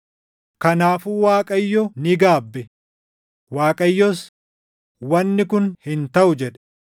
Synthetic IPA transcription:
kɐnaːfuːwaːkʼɐjːɔnɪɡaːbːɛ | waːkʼɐjːɔs | wɐnːɪkʊnhɪnt̪ɐʔʊd͡ʒɛᶑɛ̥

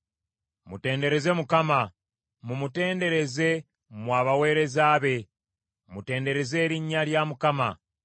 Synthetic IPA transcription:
mute̞ːnde̞ɾe̞ze̞mukama | mumute̞ːnde̞ɾe̞ze̞ | mwaːβawe̞ːɾe̞zaːβe̞ | mute̞ːnde̞ɾe̞ze̞ːɾiɲːaljamukama

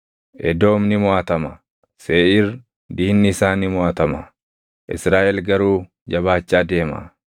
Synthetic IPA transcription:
ʔɛd̪o̞ːmnɪmʊaːt̪ɐmɐ | seːʔɪr | d̪iːnːɪɪsaːnɪmʊaːt̪ɐmɐ̰ | ʔɪ̰sɾaːʔɛlɡɐɾuː | d͡ʒɐβaːt͡ʃːaːd̪e̞ːma̰

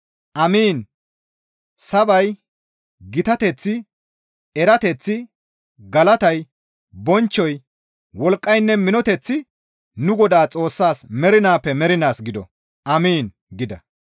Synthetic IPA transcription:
ʔɐmiːn | sɐbɐj | ɡɪt̪ɐt̪ɛt͡sːɪ | ɛɾɐt̪ɛt͡sːɪ | ɡɐlɐt̪ɐj | bɔnt͡ʃːɔj | wɔlkʼːɐjnːɛmɪnɔt̪ɛt͡sːɪ | nʊɡɔd̪aːt͡sʼo̞ːsːaːsmɛɾɪnaːpːɛmɛɾɪnaːsɡɪd̪ɔ̰ | ʔɐmiːn | ɡɪd̪ɐ

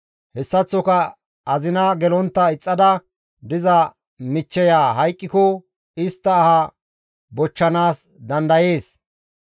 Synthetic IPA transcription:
hɛsːɐt͡sːɔkɐ | ʔɐzɪnɐɡɛlɔnt̪ːɐɪt͡sʼːɐd̪ɐ | d̪ɪzɐ | mɪt͡ʃːɛjaːɦɐjkʼːɪkɔ | ɪst̪ːɐːhɐ | bɔt͡ʃːɐnaːs | d̪ɐnd̪ɐje̞ːs

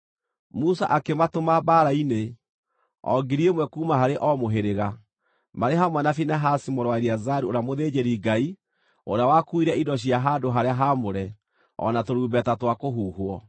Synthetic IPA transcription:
musa̰ʔakematomabaɾaine | ɔ̰ɡiɾiemwɛkuːmaɦaɾeʔɔmoɦeɾeɣa | maɾeɦamwɛnafinaɦasimoɾwaeɾiazaɾuoɾeamoðed͡ʑeɾiɡai | oɾeawakuiɾɛidɔɕ̬iaɦadoɦaɾeaɦamoɾɛ | ɔ̰natoɾuːbɛtatwakoɦuːhwɔ

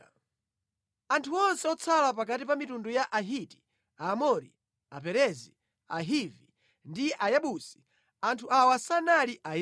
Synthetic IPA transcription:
antʰuɔnsɛɔt͡sʰalap̬akatipamitundujaʔaɦiti̥ | aːmɔɾḭ | a̰pɛɾɛzi | a̰ɦivi | ndijɛʔajaɓusi̥ | antʰuʔawasanaliʔa

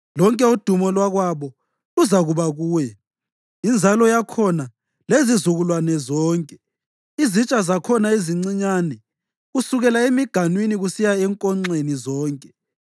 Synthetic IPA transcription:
lɔŋkʼɛud̥ʱumɔlwaɣwaβɔ | luzaɣuβaɣuːjɛ | ind͡zʱalɔjakʰɔna | lezizuɣulwanɛzɔːŋkʼɛ̥ | izit͡ʃʼazakʰɔnaeziŋ͡ǀiɲanɛ | ɣusuɣɛlaemiɡ̥ʱanwiniɣusijaɛŋkʼɔŋ͡ǀenizɔːŋkʼɛ̥

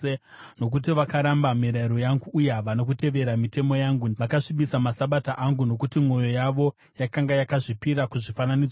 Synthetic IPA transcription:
e | no̞k̬ut̬iʋakaɾambamiɾaiɾo̞jaŋɡuːjaʋano̞k̬ute̞ʋe̞ɾamite̞mo̞jaŋɡuʋakaʂiɓisamasaɓataʔaŋɡuno̞kutimo̞jo̞jaʋo̞ | jakaŋɡajakaʐipiɾakuʐifananid͡za

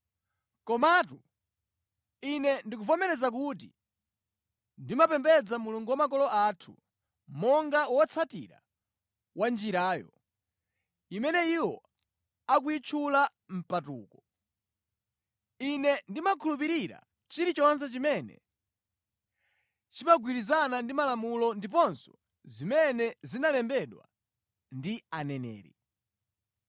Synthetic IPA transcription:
kɔmatu | inɛndikufɔmɛɾɛzak̬ut̬i | ndimapɛmbɛd͡zamuluŋɡuwamak̬ɔlɔʔatʰu | mɔŋɡawɔt͡sʰatiɾa̰ | wand͡ʒiɾaːjɔ̰ | imɛnɛiwɔ | ak̬uit͡ʃʰula | m̩patṵːkɔ | inɛndimakʰulupiɾiɾa̰ | t͡ʃiɾit͡ʃɔns̬ɛt͡ʃimɛnɛ̰ | t͡ʃimaɡwiɾizanandimalamulɔndip̬ɔnsɔ̥ | zimɛnɛzinalɛmbɛɗwa̰ | ndianɛnɛ̰ːɾḭ

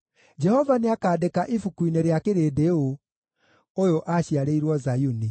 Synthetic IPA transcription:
d͡ʒɛhɔvaneakaːdekaʔifukuineɾeakeɾeːdeo | ojoʔaɕiaɾeiɾwɔzajuni

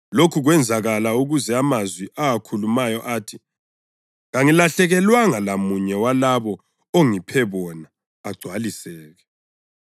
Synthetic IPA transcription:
lokʰuɣwɛnd͡zʱaɣalauɣuzɛamazwiʔaakʰulumajɔʔaːtʰi | ɣaŋilaɬɛɣɛlwaŋalamuɲɛwalaβɔ | oŋipʰɛβɔnaː | ɡ͡ǀʱwalisɛːɣɛ

